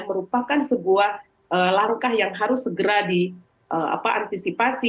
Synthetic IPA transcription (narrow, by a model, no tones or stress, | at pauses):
məɾupakansəbuah | ʔəlaŋkahjaŋɦaɾʊsːəɡəɾadi | ʔəa̰paʔant̪isipasi